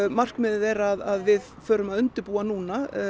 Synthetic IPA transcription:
mar̥kmɪðɪðɛɾaðaðvɪð | fœːɾʏmaðʏnt̪ɪɾpuːanuːna

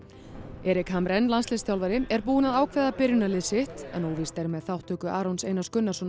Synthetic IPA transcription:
ɛːɾɪkhamɾɛnlanslɪst̪jawlvaɾɪɛɾpuːɪnaðaːwkʰvɛːðapɪɾjʏnalɪsɪht̪ɛnoːwviːst̪aɾmɛðθawht̪ʰːœːkʏʔaːɾownsejnaskʏnːasɔn

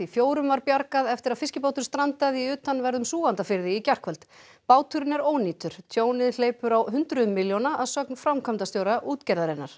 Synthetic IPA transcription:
ifjoːwɾʏmvaɾpjaɾkaðɛft̪ɪɾaðfɪscɪpowt̪ʏ̥st̪ɾant̪aðiʏːt̪anvɛɾðʏmsuːɣant̪afɪɾðɪicar̥kʰvɛlt̪ | paːwt̪ʰʏɾɪnɛɾoːwniːt̪ʏɾ̥t̪ʰjoːwnɪðl̥eːjpʏɾawɦʏnt̪ɾʏmːɪljonaʔaðsœknfɾawmkʰɔmnt̪ast̪joːwɾaʔuːt̪cɛɾðaɾɪnːaɾ̥

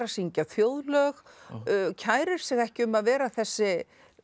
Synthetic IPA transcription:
ɾasiɲcaθjoːwðlœx | cʰaːjɾɪɾ̥sɛɣɛhcɪʏmaðvɛːɾaθɛsːɪ

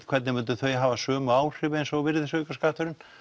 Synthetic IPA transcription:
kʰvɛɾt̪nɪmɪnt̪̬ʏθœɥɦaːvasœːmʏaːwr̥ɪvensowvɪɾðɪsœːɥkaskaːht̪ʏɾɪn

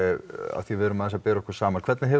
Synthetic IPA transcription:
a̰ðθivɪðɾʏmaðθɛsapɛːɾɔkʰɛɾ̥saːmakʰvɛɾt̪nɪɦɛ

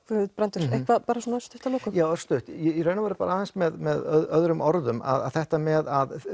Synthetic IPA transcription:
kvt̪pɾɛnt̪ʏɾehkvaðpaːɾasɔnast̪ʏ̥ft̪amɔkʏjaːwɛɾst̪ʏht̪jɛiɾreːɥnavaɾɪpaːɾahansmɛðmɛðœðɾʏmʔɔɾðʏma̰ða̰ðθɛht̪amɛðað

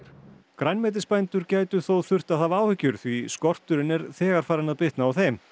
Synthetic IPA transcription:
kɾajnmɛːt̪̬ɪspajnt̪ʏɾcaːjt̪ʏθowθʏr̥t̪aðθavaːwhɪcːʏɾ̥θviskɔr̥t̪ʏɾɪnɛɾθɛːɣaɾ̥faːɾɪnaðpɪht̪naːwθɛm

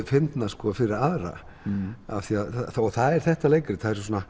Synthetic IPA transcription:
fɪnt̪naskɔfɪɾɪɾaðɾa̰ | a̰θiaðɔɣθaðɛɾ̥θɛht̪alejkɾɪθaðɛɾs̬sɔna

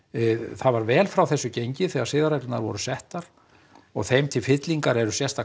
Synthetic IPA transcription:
θaðvaɾvɛːlfɾawθɛsːʏcejɲcɪθɛːɣaɾ̥sɪːðaɾajk̪ɪna̰ɾvɔ̰ɾʏsɛht̪aɾ̥ | ɔɣθejmt̪ʰɪlfɪt̪liŋkaɾɛɾʏsjɛst̪a

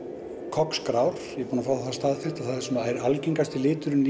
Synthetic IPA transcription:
kʰɔkskɾaːwɾ̥jɛpuːnafaːwðaθast̪aːðfɪr̥t̪aθaðsɛmaɛɾalciŋkast̪ɪlɪːt̪ʏɾʏn

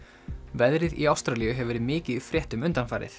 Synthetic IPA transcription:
vɛðɾɪðḭawst̪ɾalijʏɦɛvɛɾɪðmɪːcɪðifɾjɛht̪ʏmʏnt̪anfaːjɾɪ̰θ

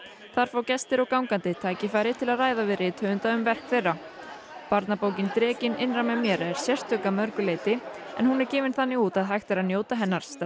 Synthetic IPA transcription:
θaɾ̥faːwcɛst̪ɪɾɔɣkawŋkant̪ɪt̪ʰaːjcɪfaːjɾɪt̪ʰɪlaðraːjðavɪðɾɪt̪ʰœːvʏnt̪aʏmvɛr̥kfɛrːa | paɾt̪napoːwcɪnt̪ɾɛːcɪnɪnramɛmjɛːɾaɛɾ̥sjɛr̥t̪œːkamœɾkʏleːjt̪ɪ | ɛ̰nhunɛɾcɪːvɪnθanːɪuːt̪aðɦajxt̪ɪɾaðnjoːwt̪aɦɛnːaɾ̥s

